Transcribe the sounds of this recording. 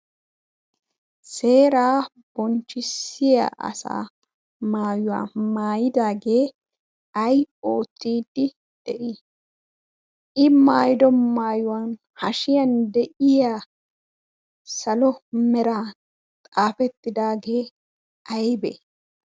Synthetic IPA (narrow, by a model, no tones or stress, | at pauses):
se̞ːɾaː | b̥ɔnt͡ʃːɪsɪja̰ʔɐ̰sa̰ː | maːjʊwa̰ːmaːjɪd̪aːɡe̞ː | ɐjo̞ːt̪ːiːd̪ːɪ | d̪̥ɛʔɪ | ɪmaːjɪd̪ɔnmaːjʊwaːn | hɐʃɪjɐnd̪ɛʔɪjaː | sɐlɔmɛɾaː | t̪ʼaːfɛt̪ːɪd̪aːɡe̞ː | ɐjbɛ̰